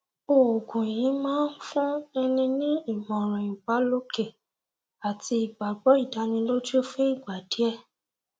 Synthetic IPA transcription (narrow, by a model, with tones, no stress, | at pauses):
o˨o˨ɡũ˨jĩ˨˦mãː˦n̩˦fũ˦ɛ˧nĩ˧nĩ˦i˦˨mɔ̃˨ɾ̃ɔ̃˨i˨ɡ͡ba˨˦lo˦ke˦˨ | a˨ti˧i˨ɡ͡ba˨ɡ͡bɔ˨˦i˦˨da˨˧˦nĩ˧lo˦d͡ʒo˦fũ˦i˦˨ɡ͡ba˨di˨˦ɛ˦˨